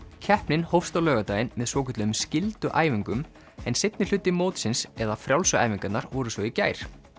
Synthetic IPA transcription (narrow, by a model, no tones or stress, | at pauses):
cʰɛhpnɪnhowfst̪awlœːɣat̪aːjɪnmɛðsvɔːcʰɛt̪lʏʏmscɪlt̪ʏʔa̰ːjviŋkʏm | ɛnsɪt̪nɪl̥ʏt̪ːɪmowt̪sɪnsɛðafɾjawlsʏa̰jviŋkat̪naɾvɔɾʏsvɔɪca̰ːjɾ̥